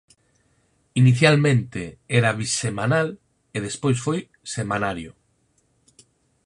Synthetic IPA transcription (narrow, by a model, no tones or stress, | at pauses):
iniθjalmẽnt̪eeɾaβisemãnal | eðespojsfoj | semãnaɾjo